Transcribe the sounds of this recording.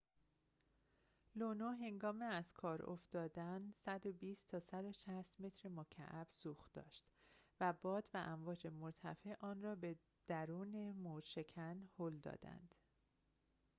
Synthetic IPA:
lonoɦe̞ŋɡɒːmeæz̥kʰɒːɾo̰fd̪ɒːd̪ænsæd̪obiːst̪ʰɒːsæd̪o̞ʃæst̪me̞t̪ʰɾemocʰæ̰ʔæb̥suːxd̪ɒ̰ːʃt̪væbɒːd̪væʔæɱvɒːd͡ʒe̞moɾt̪ʰæ̰feʔɒːnrɒːbe̞ | d̪̥æɾuːnemoʃe̞cʰænhoːld̪ɒ̰ːd̪æ̰nd̪̥

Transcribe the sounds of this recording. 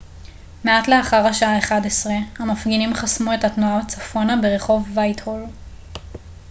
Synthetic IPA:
meatle̞aχaʁaʃaaeχadesʁehamafɡinimχasmue̞tatnuabat͡safonabeʁe̞χo̞vːajthol

